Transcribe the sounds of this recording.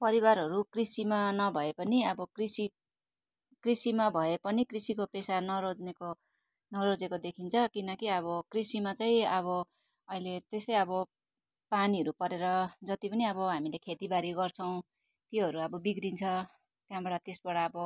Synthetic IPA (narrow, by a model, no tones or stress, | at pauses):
pʌɾiwaɾɦʌɾukrisimanʌbʱʌepʌniʌbʌkrisi | krisimabʱʌepʌnikrisikopesanʌɾod͡zneko | nʌɾod͡zekod̪ekʰint͡sʰʌkinʌkiʌβʌkrisimat͡saĩʌβʌ | ʌilet̪esʌjʌbʌ | paniʌɾupʌɾeɾʌd͡zʌt̪ipʌniʌbʌɦamilekʰet̪ibaɾiɡʌrt͡sʰʌw̃ | t̪jiɦʌɾuʌbʌbiɡrint͡sʰʌ | t̪jãbʌɽʌt̪esbʌɽaːbʌ